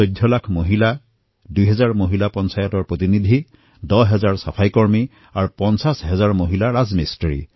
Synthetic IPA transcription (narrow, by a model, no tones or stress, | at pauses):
ojdʱjɔlakʰmoɦila | dujɦɛzaɹmoɦilapɔnsajɔtɔɹpɹot̪inid̪ʱi | dɔɦɛzaɹsa̰pʰajkɔɹmi | aɹupɔnsasɦɛzaɹmoɦilaɹazmistɹḭ